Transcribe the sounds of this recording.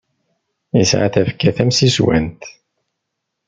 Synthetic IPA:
isʕa̰θæfkːæθæmsiswæ̰nt̪

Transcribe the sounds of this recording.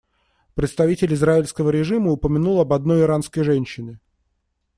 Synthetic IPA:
pɾʲɪt̪st̪ɐvʲitʲɪlʲɪzraɪlʲskəvəɾʲɪʐɨməʊpəmʲɪnulˠɐbɐd̪̚no̞jɪɾanskəjʐɛnʲɕːɪnɨ

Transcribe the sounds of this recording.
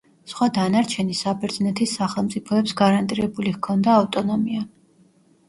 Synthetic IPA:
sχwad̪anaɾt͡ʃʰɛnisabɛɾd̪znɛt̪ʰisaχɛlˠmt̪sʼipʰɔɛpsɡaɾant̪ʼiɾɛbulihkʰɔnd̪aːft̪ʼɔnɔmia

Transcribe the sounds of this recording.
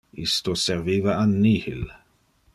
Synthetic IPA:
ist̪oserviːvaanːihil

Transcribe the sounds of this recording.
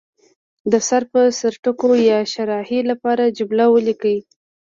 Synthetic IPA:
d̪əsaɾpəsaɾʈəkojɑʃaɾɑhilapɑɾad͡ʒʊblawəlikəwi

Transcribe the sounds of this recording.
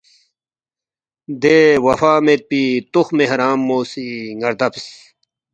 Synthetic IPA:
d̪ewɐfaːmet̪̚pit̪oxmeɦɾaːmːoːsiŋɡɐɾd̪ɐpis

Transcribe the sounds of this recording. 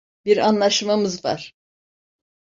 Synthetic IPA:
biɾanlˠaʃmamɯzva̰ɾ̥

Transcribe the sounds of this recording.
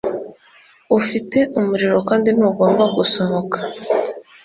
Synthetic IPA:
ufite̞ʔumuɾiɾo̞kaːndin̥uːɡo̞ːmbaɡusomokʰḁ

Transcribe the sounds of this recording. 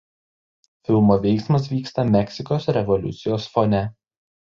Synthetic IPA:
fʲɪlˠmoːʋʲɛɪksmɐs̬ʋʲiːkst̪ɐmʲɛksʲɪkoːsɾʲɛʋɔlʲʊ̰t̪sʲɪjoːsfɔnʲɛ

